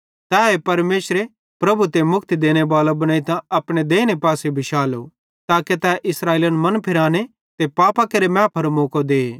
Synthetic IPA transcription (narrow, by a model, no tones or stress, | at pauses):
t̪ɛːɦepɐɾmeːsɾe | pɾɐbut̪emʊkʰt̪id̪eːɽ̃ebaːlobɐɽ̃aːit̪ãɐpɽ̃ed̪eːñepaːsebʱɪʃaːlo̰ | t̪aːket̪ɛːʔɪsɾaːeːlɐnmɐnpʰɪɾaːɽ̃e | t̪epaːpakɐɾemɛ̃ːpʰɐɾmoːkod̪eː